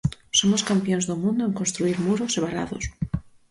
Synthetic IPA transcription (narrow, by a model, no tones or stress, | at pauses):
somoskampjonzðomũnd̪oeŋko̞nst̪ɾuiɾmuɾoseβaɾa̰ðo̰s